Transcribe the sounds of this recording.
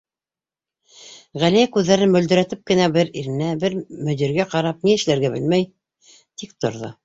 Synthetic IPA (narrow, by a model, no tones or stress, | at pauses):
ʁælijækʉðːæɾɘnmɵ̆ld̪ɵ̆ɾæt̪ɘp̚kɘ̆næbɘɾiɾɘ̆næbɘɾmɵ̆ðĭɾɡæqɑɾɑp̚niɘ̆ʃlæɾɡæbɘlmæj | t̪ik̚t̪ŏɾðo̰